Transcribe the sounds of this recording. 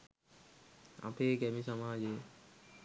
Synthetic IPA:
a̰peːkɛmisamaːd͡ʑe

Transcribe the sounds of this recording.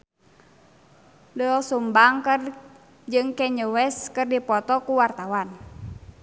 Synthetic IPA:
dəɔsumbaŋkər | d͡ʒɨŋkɛɲəwɛskɨrdipɔt̪ɔkuwart̪awan

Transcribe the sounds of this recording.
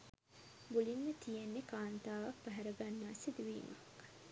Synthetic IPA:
bulinːət̪ijenːekaːnt̪aːʋak̚pɐɦɛɾɐɡanːaːsid̪uʋiːmak

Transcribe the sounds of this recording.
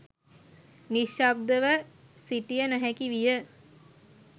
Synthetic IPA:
niʃab̚d̪əʋəsiʈijənæɦækiʋijə

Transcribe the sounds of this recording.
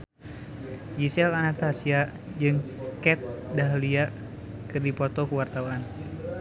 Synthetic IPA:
d͡ʒisɛlanat̪asia | d͡ʒɨŋkɛt̪̚daɦlia | kɨrdipɔt̪ɔkəwart̪awan

